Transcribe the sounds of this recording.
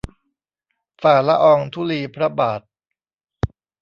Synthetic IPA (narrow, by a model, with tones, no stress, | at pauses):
faː˨˩la˦˥ʔɔː˧ŋt̪ʰu˦˥liː˧pʰɾa˦˥baː˨˩t̪̚